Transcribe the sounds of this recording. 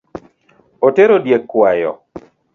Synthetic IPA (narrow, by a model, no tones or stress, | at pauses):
oteɾodjekːwajɔ̰